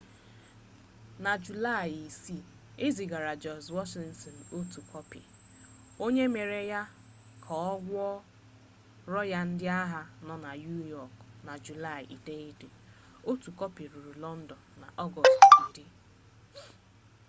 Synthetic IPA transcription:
na˨d͡ʒu˨la˦˨ji˨si˦˨ | e˦zi˨ɡa˨ɾa˨d͡ʒɔ˨zwɔ˦ʃi˦ntɔ˨no˦tu˨kʰɔ˦pḭ˨ | o˦ɲe˦me˨ɾe˨ja˦ | kʰɔ˨ɔ˦ɡʷɔ˦ | ɾɔ˦ja˦n̩˦dɪ˦a˦ɦa˦nɔ˦na˨ju˦jɔ˨kna˨d͡ʒu˨la˦˨jḭ˨de˦i˦de˨ | o˦tu˨kɔ˦pi˨ɾu˨ɾu˨lɔ˦n̩˦dɔ˨nːa˨ʔɔ˦ɡɔ˨stn̩˦dɪ˦

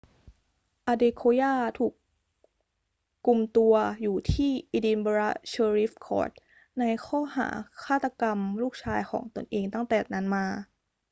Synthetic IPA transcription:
ʔaː˧deː˧kʰoː˧jaː˥˩t̪ʰuː˨˩k | kːu˨˧mt̪u˧ɐjuː˨˩t̪ʰiː˥˩ʔi˧di˧nboː˧ɾa˦˧˥t͡ɕʰɤː˧ɾi˦˥fkʰɔ̰ː˦˥t̪̚ | na˧jxʰɔː˥˩ha̰ː˩˦kʰaː˥˩t̪ːa˧ka˧mluː˥˩k̚t͡ɕʰaː˧jxʰɔ̰ː˩˦ŋt̪o˧nʔeː˧ŋt̪a˥˩ŋt̪ɛː˨˩na˦˥nmaː˧

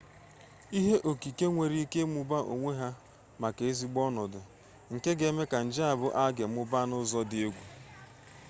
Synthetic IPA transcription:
i˦ɦe˦ʔo˨ki˨ke˦ŋʷe˨ɾi˦ke˦mʊ˦ba˦ʔo̰˨ŋʷe˦ɦa˦ | ma˨ke˨e˦zi˦ɡ͡bɔ˦nɔ˨dʊ˨ | ŋ̩˨ke˦ɡe˨˦me˦ka˨n̩˨d͡ʒɪ˦a˨bʊ˦ʔa˦ɡe˨m̩˦ʊ˦ba˦nʊ˦zɔ˦dɪ˨e˦ɡʷu˨

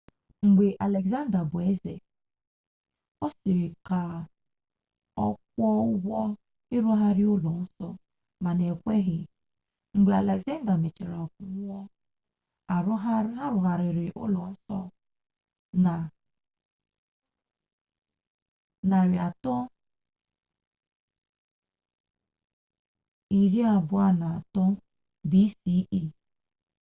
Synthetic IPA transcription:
ŋ͡m̩˨ɡ͡be˨ʔa˨le˨ɡza˦n˦da˨bʊ˨e˦zḛ˨ | ɔ˦sɪ˨ɾɪ˨ka˨ | ɔ̰˦k̚ʷɔ˦ʊ˦ɡɔ˦ | ɪ˦ɾu˦ɦa˦ɾɪ˦ʊ˦lɔ˨n̩˦sɔ˦ | ma˨ne˨kʷe˦ɦɪ˨ | ŋ͡m̩˨ɡ͡be˨a˨le˨kza˦n˦da˨me˨t͡ʃi˨ɾa˨ɔ˨ku˦m˦ɔ˦ | a˨ɾɦa˦a˦ɾʊ˨ɦa˨ɾɪ˨ɾɪ˨ʔʊ̰˦lɔ˨n̩˦sɔ̰˦ | na˨ | na˨ɾɪ˨a˨tɔ˦ | i˨ɾi˦a˨bʊ˨˦a˦na˨a˨tɔ˦ | bi˦si˦ʔi˦

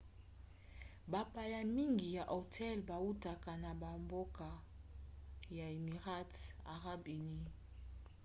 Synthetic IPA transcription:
ba˨pa˨ja˨mi˦ŋɡi˨ja˨ʔo˨tʰɛ˦lba˨u˦ta˨ka˨na˨ba˨mbo˦ka˨ | ja˨e˨mi˨ʁa˦ta̰˨ʁa˦be˨ni˦

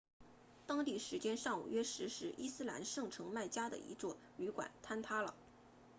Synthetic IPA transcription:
t̪ɑ˥ŋt̪i˥˩ʂɻ̩˧˥t͡ɕjɛ˥nʂɑ˥˩ŋṵ˨˩ɥɛ˥ʂɻ̩˧˥ʂɻ̩˧˥ʔi˥sɹ̩˥la˧˥nʂɤ˥˩ŋʈ͡ʂʰɤ˧˥ŋma˥˩ɪt͡ɕja˥d̪ə̰˨ḭ˧˥t͡swɔ˥˩ | y˧˥kwa̰˨˩nt̪ʰa˥nt̪ʰa˥lə̰˨

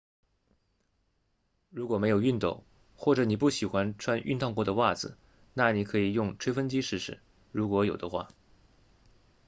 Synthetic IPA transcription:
ɻu˧˥kwɔ˨˩me˧˥ɪjo˨˩ʊy˥˧nt̪o̰˥˩ʊ | xwɔ˥˩ʈ͡ʂɤ˧˥ni˨˩pu˥˩ɕi˨˩xwa˧˥nʈ͡ʂʰwa˥nʔy˥˧nt̪ʰɑ˥˧ŋkwɔ˥˩d̪ə˨wa˥˩d͡zɹ̩˨˩ | na˥˩ni˧˥kʰɤ˧˥i˨˩jʊ˥˩ŋʈ͡ʂʰwe˥ɪfə˥nt͡ɕi˥ʂɻ̩˥˩ʂɻ̩˥˩˦ | ɻu˧˥kwɔ˧˥jo˨˩ʊd̪ə˦xwa̰˥˩

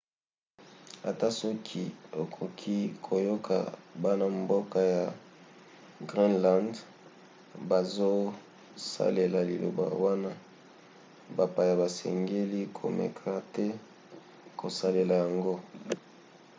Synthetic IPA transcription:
a˨ta˦sɔ˦kʰi˦o˨kʰo˨kʰi˦kʰo˨jo˦kʰa̰˨ba˦na˦mbo˦ka˦ja˨ | ɡʁi˦nla˦nd | ba˨zo˦ | sa̰˦le˨la˨li˨lo̰˨ba̰˨wa˦na˦ | ba˨pa˨ja˨ba˨sɛ̰˨ŋɡe˦li˦kʰo̰˨mɛ̰˨kʰa˨tɛ˦ | kʰo˨sa˦le˨la˨ja˨ŋɡo˦

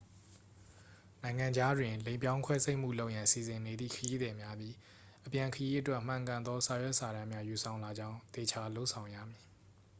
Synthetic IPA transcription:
nã˨ɪ̃ŋã˨ɲd͡ʑa˦dwɪ̃˨lẽ˨ɪ̃mpjã˦ʊ̃ŋkʰwɛ˦se˦ɪʔm̥ṵ˦˨lo˦ʊʔjã˨si˨zɪ̃˨ne˨d̪ðḭ˦˨kʰəji˦d̪ɛ˨mja˦d̪ji˦ | ʔəpjã˨ŋkʰəji˦ʔətwɛ˦ʔm̥ã˨ŋkã˨nd̪ɔ˦sa˨jwɛ˦ʔsa˨ɾã˦mja˦ju˨sʰã˨ʊ̃la˨d͡ʑã˦ʊ̃t̪e˨t͡ɕʰa˦lo˦ʊʔsʰã˨ʊ̃ja̰˦˨mji˨

